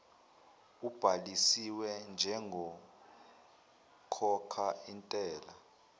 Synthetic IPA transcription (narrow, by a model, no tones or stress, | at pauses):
ub̥ʱalisiwɛnd͡ʒʱɛŋɡʱɔ | kʰɔkʰaintʼɛːla